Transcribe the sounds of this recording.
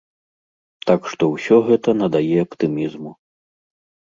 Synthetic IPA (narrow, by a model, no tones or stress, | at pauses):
t̪akʂt̪ɔwsʲɔɣɛt̪ɐnɐd̪ajɛɐpt̪ɨmʲizmu